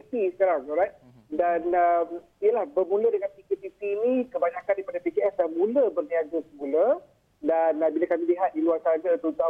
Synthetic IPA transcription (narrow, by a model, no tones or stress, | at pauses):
pisə̥kaɾaŋɾajt̪̚ | danəm | ijəlahbərmũlədəŋanpiket̪ipinikəbaɲakandaijpadapekeɛslamũləbərniaɡəsəmũlə | danbilakamiliɦat̪̚diluarsanət̪ut̪a